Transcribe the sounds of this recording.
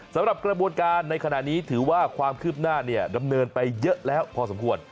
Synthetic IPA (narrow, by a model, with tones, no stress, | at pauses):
sa˨˦mɾa˨˩p̚kɾa˧bu˧ənkaː˧nːa˧jkʰa˧na˨˩ʔniː˦˥t̪ʰɯː˩˦waː˥˩kʰwaː˧mkʰɯː˥˩p̚naː˥˩ni˥˩ɐda˧mnɤː˧npa˧jːɤ˦˥ʔlɛː˦˥wpʰɔː˧sa˩˦mkʰu˧ən